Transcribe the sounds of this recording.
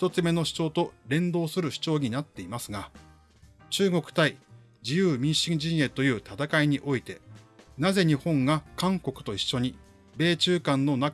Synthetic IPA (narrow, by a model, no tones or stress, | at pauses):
ç̥t̪o̞t͡sɨme̞no̞ɕi̥t͡ɕo̞ːt̪o̞ɾẽ̞nd̪o̞ːsɨɾɯ̟ɕi̥t͡ɕo̞ːɲ̟inat̪ːe̞imasɨɡa | t͡ɕɨːɡo̞kɯ̟̥t̪ai | d͡ʑijɯːmʲĩɰ̃ɕĩɲd͡ʑĩɰje̞t̪o̞jɯ̟ːt̪at̪akaiɲ̟iʔo̞it̪e̞naze̞ɲ̟ihõ̞ŋɡakãŋko̞kɯ̟̥t̪o̞iɕːo̞ɲ̟i | be̞ːt͡ɕɨːkãnːo̞na